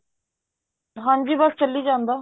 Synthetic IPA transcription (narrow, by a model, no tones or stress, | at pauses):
ɦãːd͡ʒiːbəst͡ʃəlːiːd͡ʒãːnd̪aː